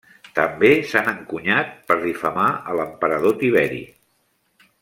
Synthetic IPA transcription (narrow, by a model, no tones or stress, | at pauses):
t̪əmbesanəŋkuɲat̪̚pəɾðifəmaələmpəɾəðot̪iβɛɾḭ